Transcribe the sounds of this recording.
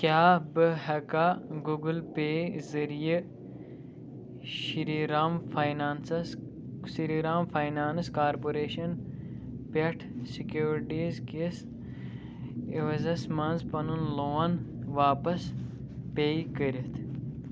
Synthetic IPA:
kʲjaːbɨɦɐkaɡuɡulpeːzɐɾiji | ʃiɾiɾaːmfʰaːjnaːnsɐs | siɾiɾaːmfʰaːjnaːnskaːɾpoɾeːʃɐn | pʲɐʈʰsikjuːɾʈiːzkes | iʋɐzɐsmɐnzpɐnunloːɐnʋaːpɐs | peːjkəɾit̪ʰ

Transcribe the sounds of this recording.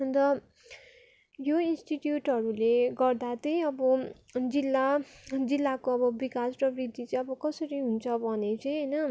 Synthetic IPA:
ʌnd̪ʌ | joinsʈiʈjuʈɦʌɾuleɡʌrd̪at̪ʌj̃ʌbʌ | d͡zilːad͡zilːakoʌbʌbikasrʌbrid̪it͡sʌĩʌbʌkʌsʌɾiɦunt͡sʰʌbʱʌnet͡sʌj̃ɦʌjnʌ

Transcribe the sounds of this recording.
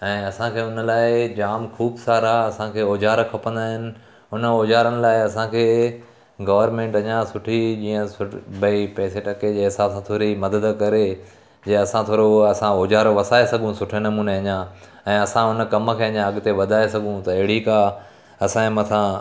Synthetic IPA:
ɛ̃ːɐsãkʰeːʊnəlaːɪd͡ʑaːmkʰuːbsaːɾaɐsãkʰeːoːd͡ʑaːɾkʰɐpə̃nd̪aːɦɪnɪ̆ | ʊnəoːd͡ʑaːɾənɪ̆laːɪɐsãkʰeː | ɡɐʋəɾmẽːɳʈɐɲãsʊʈʰid͡ʑiːə̃sʊbɐipɛːseʈɐked͡ʑeːɦɪsaːbsãt̪ʰoːɾimɐd̪əd̪kɐɾe | d͡ʑeːɐsãt̪ʰoːɾoɐsãoːd͡ʑaːɾʋɐsaːesɐɠũsʊʈʰenɐmuːneɐɲã | ɛ̃ːɐsãʊnəkɐmkʰeːɐɲãɐɠt̪eʋɐd̪ʱaːesɐɡʱũt̪ɐɪɦɪɽika | ɐsãmɐt̪ʰã

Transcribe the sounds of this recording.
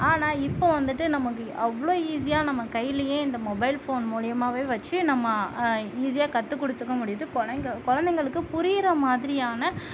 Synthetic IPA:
aːnaːɪpːoʋɐnd̪ɯʈːɯnɐmɐkːɯʔɐʋːɐɭoːiːs̬ɪjaːnɐmːɐkɐjɪlɐjẽːɪnd̪ɐmɔbɐɪlfoːnmuːɻɪjɐmaːʋeːʋɐt͡ʃːɯnɐmːɐiːs̬ɪjaːkɐt̪ːɯkːɔɽɯt̪ːɯkːɐmʊɽɪjɐðɯkɔɻɐŋɡɐkɔɻɐnd̪ɛŋɡɐɭɯkːɯpʊɾɪɪɾɐmaːðɪɾɪjaːnɐ

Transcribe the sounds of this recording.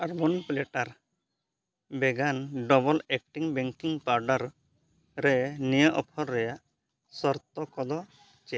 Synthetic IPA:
aɾbɔnpleʈaɾ | bɛɡanɖɔbɔlek̚ʈiŋbɛŋkiŋpaɾɖaɾ | ɾɛnijəʔɔpʰɔɾːɛjaʔ | sɔɾt̪ɔkɔd̪ɔ | t͡ʃɛ

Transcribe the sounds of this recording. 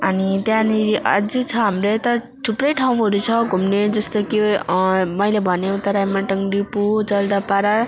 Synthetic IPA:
ʌnit̪jãnia̰d͡zit͡sʰʌɦamɾet̪ʌ | ʈʰupɾʌjʈʰaw̃ɦoɾut͡sʰʌɡʱumned͡zʌst̪oki | mʌjlebʱʌnẽt̪ʌɾajmaʈʌŋɾipud͡zʌld̪apaɾa

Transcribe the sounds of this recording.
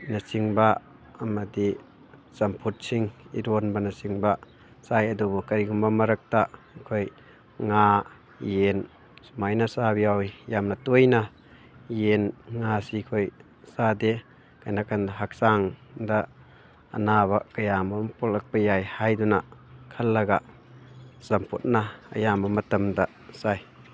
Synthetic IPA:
nɐsiŋbaː | mɐdi | sɐmpʰut̚siŋḭɾonbɐnɐsiŋba | sajɐdubukɐɾiɡumbɐmɐɾɐk̚ta | kʰoj | ŋa | jen | smajnasabiawjamnɐtojna | jenŋasikʰoj | sade | kajnakʰandɐɦak̚saŋdɐ̰ː | naβakɐjamɐmpolɐk̚pɐjajhajdunakʰɐlːɐɡa̰ | samput̚nɐɐ̰jamɐmɐtɐmdɐ | saj

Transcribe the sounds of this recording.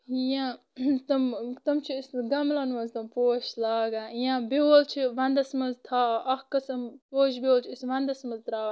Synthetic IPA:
ijãː | t̪ɐmt̪ɐmt͡ʃʰiisɡɐmlɐnʋɐzt̪ɐmpoːʃlaːɡaːijãːbioːlt͡ʃʰiʋɐnd̪ɐsmɐzt̪ʰaːʔɐhkɐsɐmpoːʃbioːlt͡ʃʰiisʋɐ̃nd̪ɐsmɐzt̪ɾaː

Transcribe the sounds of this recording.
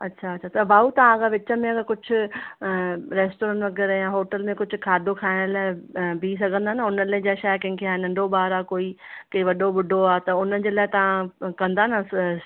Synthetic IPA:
ɐtːɕʰaɐɕʰat̪ɐbaːut̪ɐʋ̤ãɐɡaʋɪt͡ɕəmẽɐɡəkʊd͡ʑʱʊ̆ | ɾeːsʈoːɾãːʈʋɐɡɛːɾjãɦoːʈəlmẽkʊd͡ʑʱʊ̆kʰaːd̪ʱokʰaːɪɽ̃laːɪbʱis̬ɐɡʱə̃nd̪aːnaʊnəlɐ̃d͡ʑaːʃaːjkɐ̃ɦɪ̃ŋkʰeaːnɐ̃ɳɖʱobaːɾaːkoːi | kɐiʋɐɗobʊɖʱoaːt̪ɐʊnəd͡ʑeːlaːɪt̪ɐʋ̤ãkɐ̃nd̪aːna

